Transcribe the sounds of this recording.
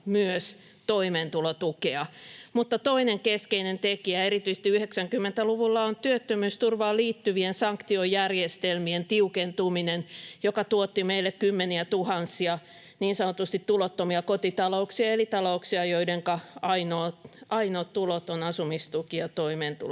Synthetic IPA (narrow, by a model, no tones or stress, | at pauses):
myøs | t̪oimeːnt̪ulot̪ukeɑmut̪ːɑt̪oineŋkeskeinent̪ekiæeɾit̪yise̥t̪iyheksæŋkymːent̪æluʋulːɑont̪yøt̪ːømyːst̪urʋɑːliːt̪ːyʋiensɑŋkt̪iojjærjest̪elmient̪iukent̪uminenjokɑt̪uot̪ːimeilːekkymːeniæt̪uhɑnsiɑ | niːnsɑnot̪ust̪it̪tulot̪ːomiɑkot̪it̪ɑlouksiɑelit̪ɑlouksiɑjoideŋkɑɑinoːt̪ɑinoːt̪t̪ulot̪onɑsumist̪ukiɑt̪oimeːnt̪ṵl